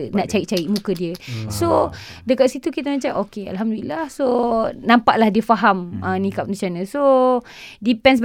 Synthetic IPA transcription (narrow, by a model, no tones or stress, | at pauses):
nãʔt͡ʃaiʔ̚t͡ʃaiʔ̚mũkədiəsodəkat̪̚sit̪ukit̪əmãt͡ʃamokea̰lɦamdulilahsonãmpaʔlahdiəfaɦamə̃nĩkap̚nĩsianãso | dipɛns̬